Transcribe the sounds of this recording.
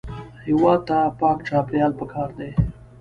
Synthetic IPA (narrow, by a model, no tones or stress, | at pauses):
hɪwɑd̪̚t̪apɑkʈ͡ʂɑpjɑlpəkʰɑɾd̪e